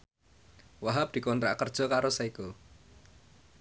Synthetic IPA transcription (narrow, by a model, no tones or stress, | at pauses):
waɦab̚d̪̥i̤kɔnt̪ɾa̰ʔkərd̥ʒ̥ɔ̤kaɾosaiku